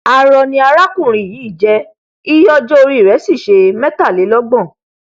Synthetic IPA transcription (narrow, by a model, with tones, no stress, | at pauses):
a˨ɾɔ˨nĩ˧a˧ɾa˦kũ˦˨ɾ̃ĩ˨jĩ˨˦i˦˨d͡ʒɛ˧˦ | i˦jɔ˦d͡ʒɔ˦o˧ɾi˦˨ɾɛ˨˦si˦˨ʃe˧mɛ̃˦ta˦˨le˨˦lɔ˦ɡ͡bɔ̃˦˨